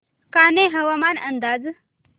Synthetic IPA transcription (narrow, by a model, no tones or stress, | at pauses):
kaːneɦɐʋamanɐnd̪aːd͡z